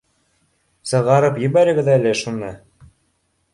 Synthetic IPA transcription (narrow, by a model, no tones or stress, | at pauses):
sɤ̆ʁɑɾɤpjɘ̆βæɾɘ̆ɡɘ̆ðæælɘʃunɤ